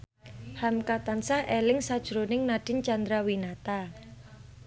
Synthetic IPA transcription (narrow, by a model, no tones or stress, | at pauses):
hamkat̪ansahʔelɪŋsad̥ʒ̥ɾonɪŋnaɖ̥ɪnt͡ʃand̪ɾawinat̪a